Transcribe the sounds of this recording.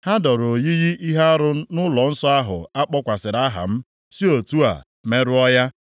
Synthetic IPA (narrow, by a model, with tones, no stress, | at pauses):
ha˦dɔ˨ɾo˨ji˦ɣi˦ʔi˦ɦa˦a˦ɾʊ˦nʊ˦lɔ˨n̩˦sɔ˦a˦ɦʊ̰˨a˦k͡pɔ˦kʷa˨sɪ˨ɾa˦ɦa̰˨m̩˦ | si˦o˨tu˦a̰˨ | me˦ɾʊ˦ɔ˦ja˦